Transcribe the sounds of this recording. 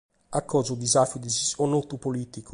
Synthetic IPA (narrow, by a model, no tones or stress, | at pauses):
akʰːɔzod̪izafjud̪izionot̪upolit̪iko̥